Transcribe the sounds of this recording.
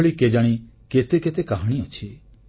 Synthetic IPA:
ɭiked͡ʒaɽ̃iket̪eket̪ekaɦaɽ̃iɔt͡ʃʰi

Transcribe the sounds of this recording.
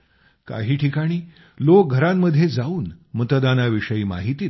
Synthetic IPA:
ka̰ɦiːʈʰikaɽ̃iː | lok̚ɡʱəɾamːəd̪ʱːjed͡zauːnmət̪əd̪anaʋiʂəjiːma̰ɦit̪iː

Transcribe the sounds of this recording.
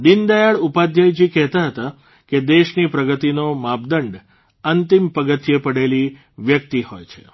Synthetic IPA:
d̪ind̪ajaɭupad̪ʱjəjd͡ʒikɛɦt̪aɦət̪a | ked̪eʃnipɾəɡət̪inomab̚d̪əɳɖ | ənt̪impəɡət̪jepəɽeli | ʋjək̚t̪ihojt͡ʃʰe̥̰

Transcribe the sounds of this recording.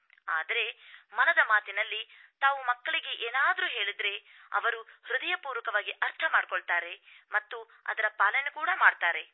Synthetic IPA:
aːd̪ɐɾe̞mɐnɐd̪ɐmaːt̪inɐlːit̪aːʋumɐkːɐɭiɡeʔeːnaːd̪ɐɾuːɦe̞ːɭid̪ɾe̞ | ɐ̰ʋɐɾuhɾud̪ɐjɐpuːɾʋɐkɐʋaːɡiʔɐɾt̪ʰɐmaːɽkoɭt̪aːɾe̞mɐt̪ːu | ɐ̰d̪ɐɾɐpaːlɐnekuːɽɐmaːɖt̪aːɾe̞

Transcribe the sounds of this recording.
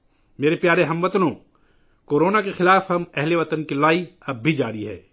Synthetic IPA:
meːɾepjaːɾeɦɐmʋɐt̪nõː | koːɾoːnakexɪlaːfɦɐmɛɦleʋɐt̪ənkilaːiɐbbʱid͡ʒaːɾiɦɛ̰ː

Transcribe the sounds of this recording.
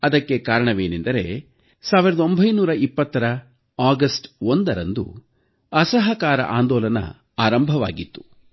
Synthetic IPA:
ɐd̪ɐkːe̞kaːɾɐɳɐʋeːnend̪ɐɾe̞̰ | saːʋiɾɐd̪o̞mbʱɐjnuːɾɐʔipːɐt̪ːɐɾɐ | aːɡɐsʈond̪ɐɾɐnd̪ṵ | ɐsɐɦɐkaːɾɐ̰ʔaːnd̪ɔːlɐnɐ̰ | aːɾɐmbʱɐʋa̰ːɡit̪ːu̥

